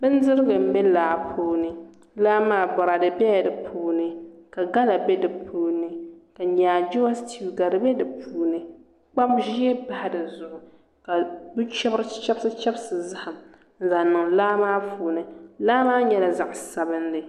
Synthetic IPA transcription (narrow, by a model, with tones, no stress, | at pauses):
bɨ˦n˦dɨ˦ɾɨ˦ɡɨ˨m̩˦bɛ˦laː˨pʰuː˦nɨ˨ | laː˦maː˦bɔ˨ɾa˨dɨ˨bɛ˦a˨dɨ˨pʰuː˦nɨ˨ka˨ɡa˦la˨bɛ˦dɨ˨pʰuː˦nɨ˨ka˨ɲaː˨d͡ʒo˦stʰi˨ɡa˨dɨ˨bɛ˦dɨ˨pʰuː˨˦nɨ˨ | k͡pa˦bʒi˦ɛ˦ba˨ha˨dɨ˨zʊ˨ʔʊ˨ | ka˨bɨ˦t͡ʃɛ˦bɨ˦ɾɨ˦t͡ʃɛ˦bsɨ˦t͡ʃɛ˦bsɨ˨za˦ha˨m | n̩˦za˨nɨ˨ŋlaː˦maː˦fuː˨nɨ˨laː˦maː˦ɲɛ˦la˨za˨ʔsa˨bɨ˦ndɨ˨